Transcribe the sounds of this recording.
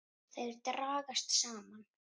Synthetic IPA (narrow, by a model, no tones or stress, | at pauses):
θejðɾt̪ɾaːɣast̪saːman